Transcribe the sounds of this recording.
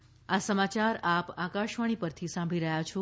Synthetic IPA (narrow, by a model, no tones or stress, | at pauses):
asəmat͡ʃaɾapakaʃʋaɽ̃ipəɾt̪ʰisãmbʱiɾəɦjat͡ʃʰu